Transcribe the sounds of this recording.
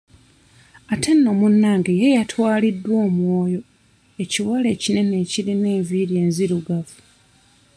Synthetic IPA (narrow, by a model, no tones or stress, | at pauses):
atʰe̞nːo̞munːaːŋɡejejatʰwaːlidːwo̞ːmwo̞ːjo̞ | e̞ciwale̞ːcine̞ne̞ːciɾine̞ːɱviːɾe̞ːnziɾuɡavu̥